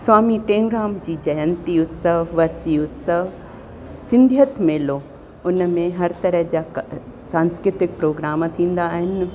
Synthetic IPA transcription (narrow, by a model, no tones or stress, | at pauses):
swaːmiʈẽːŋɡɾaːmd͡ʑiːd͡ʑɐjənt̪iʊt̪səʋɐɾsiʊt̪səɦ | sɪ̃nd̪ʱijət̪meːlo | ʊnəmẽɦɐɾt̪ɐɾəɦd͡ʑaː | sãːnskɾɪt̪ɪk̚pɾoːɡɾaːmt̪ʰĩːn̆d̪aːɦɪnɪ̆